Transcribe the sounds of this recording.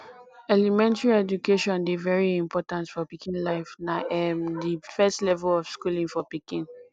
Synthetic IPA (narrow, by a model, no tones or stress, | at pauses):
ɛlimɛ̃ntɹiɛd͡ʒukʰeʃɔ̃nbivɛɹiĩmpʰɔtãntfɔpikʰĩnlaɪfnaʔɛmdifɛstlɛvɛlɔfskulĩŋfɔpikĩn